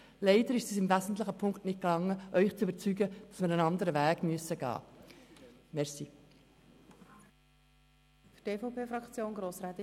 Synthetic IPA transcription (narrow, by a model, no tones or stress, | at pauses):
leɪd̥əɾɪʃsiːsɪmvæzn̩tlɪχəpʰʊŋktnɪt̚klɑŋːəʔœʏχt͡sybəɾt͡syɡəd̥ɑsməɾənɑndəɾəvæːɡ̥myəsəɡ̥ɑ̰ː | mɛʁsi | fyteːfoʊpʰeːfɾɑkt͡sjoːnɡɾoːsɾɛt̪